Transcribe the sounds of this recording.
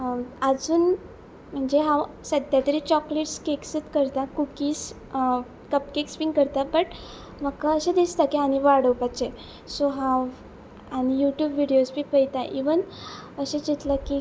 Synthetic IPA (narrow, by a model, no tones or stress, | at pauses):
əd͡zuːn | m̤əɳd͡zeɦãw | səd̪ʱjat̪əɾiːt͡ɕɔkleʈskeksət̪kəɾt̪akukiːs | kəpkekspiŋkəɾt̪abəʈ | m̤əkaəɕẽd̪ist̪akiaɽ̃iʋaɽəʋpat͡ɕe | soɦaw | aɽ̃ijuʈjuːbʋiɽejosbʱiːpəjt̪aʔiʋənəɕed͡ʑit̪ləki